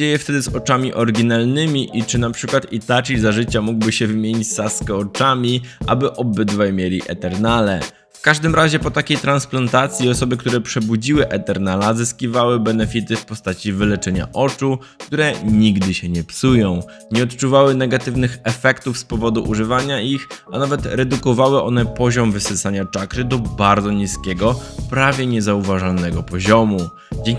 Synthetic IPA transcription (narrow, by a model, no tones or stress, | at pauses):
ejɛft̪ɛd̪ɘzɔt͡ʂamʲiʔɔɾɡʲinalnɘmʲiʔit͡ʂɘnapʂɘkwat̪it̪at͡ʂizaʐɘt͡ɕamuɡbɘɕɛvɘmʲjeɲit͡ɕsaskɛɔt͡ʂamʲiʔa̰bɘʔɔbɘd̪vajmʲjelʲiʔɛ̰t̪ɛɾnalɛ | fkaʐd̪ɘmɾaʑɛpɔt̪akʲejt̪ɾansplant̪at̪sʲjiɔsɔbɘkt̪uɾɛpʂɛbud͡ʑiwɘʔɛt̪ɛɾnalazɘskʲivawɘbɛnɛfʲit̪ɘfpɔst̪at͡ɕivɘlɛt͡ʂɛɲa̰ʔɔt͡ʂu | kt̪uɾɛɲiɡd̪ɘɕɛɲɛpsujɔ̃w̃ | ɲɛɔt̪t͡ʂuvawɘnɛɡat̪ɘvnɘxɛfɛkt̪ufspɔvɔd̪uʔuʐɘvaɲaʔixanavɛt̪ɾɛd̪ukɔvawɘʔɔnɛpɔʑɔmvɘsɘsaɲat͡ʂakɾɘd̪ɔbaɾd̪zɔɲiskʲɛɡɔpɾavʲjɛɲɛzauvaʐalnɛɡɔpɔʑɔmu | d͡ʑɛŋ